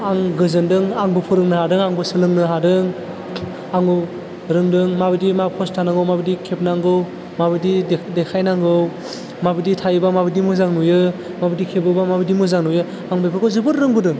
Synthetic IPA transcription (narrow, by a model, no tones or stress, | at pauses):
aŋɡɯzɯndɯŋaŋbɯpʰɯɾɯŋnɯɦadɯŋaŋbɯsɯlɯŋnɯɦadɯŋ | aŋu | ɾɯŋdɯŋmabɯdimapʰɔstʰanaŋɡɯwmabidikʰep̚naŋɡɯw | mabɯdidekʰajnaŋɡɯw | mabɯditʰajɯbamabɯdimɯzaŋnujɯ | mabidikʰebɯbamabidimɯzaŋnujɯ | aŋbajpʰɯkɯwzɯbɯɾɾɯŋbɯdɯŋ